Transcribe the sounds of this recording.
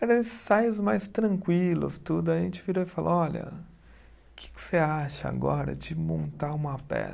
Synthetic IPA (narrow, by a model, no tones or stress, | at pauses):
ɛɾɐ̃ĩsajʊzmajst̪ɾɐ̃ŋkwilʊ̰st̪ud̪ʊɐʒẽnt͡ʃɪviɾoifalɐ̰ɔlɐ̰ | kʰɪ̥kɪ̥seaʃɐa̰ɡɔɾɐ̰d͡ʒɪmõnt̪aũmɐpɛ̰